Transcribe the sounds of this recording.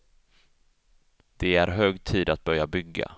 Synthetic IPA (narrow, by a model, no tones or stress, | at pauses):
d̪̥ɛæɾɦøːɡt̪ʰiːd̪at̪̚bœɾjabʏɡːa̰